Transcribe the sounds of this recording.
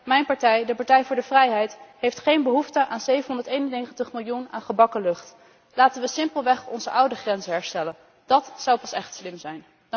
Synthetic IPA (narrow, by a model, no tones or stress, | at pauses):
mɛjnpɑɹtɛjdəpɑɹtɛjvʊːɹdəvrɛjɦɛjtɦejftχejnbəɦuftəʔaːnzejvənɦɔndəɹtejnənejχəntəχmɪlˠjunaːnχəbɑkəlɵχt | laːtənʋəsɪmpəlˠʋɛχɔnzəʔʌwdəχrɛnzəɦɛɹstɛlən | d̥ɑtsɑwpɑsɛχtslɪmzɛjn